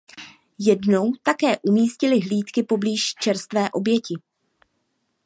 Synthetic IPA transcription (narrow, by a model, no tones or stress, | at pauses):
jɛdno̞wt̪akɛːʔumiːscɪlɪɦliːt̪kɪpo̞bliːʃt͡ʃɛɾst̪vɛːʔo̞bjɛcɪ